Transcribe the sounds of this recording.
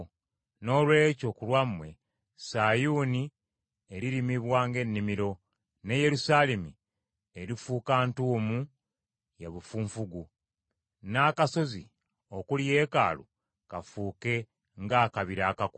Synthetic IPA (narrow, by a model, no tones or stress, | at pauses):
no̞lwe̞ːco̞kulwamwe̞ | sajuni | eɾiɾimiβwaːŋɡe̞nːimiɾo̞ | ne̞je̞ɾusaːlemi | eɾifuːkaːntuːmu | jaβufuːɱfuɡu | naːkaso̞zi | o̞kulje̞ːka̰ːlṵ | kafuːke̞ | ŋɡaːkaβiɾaːkak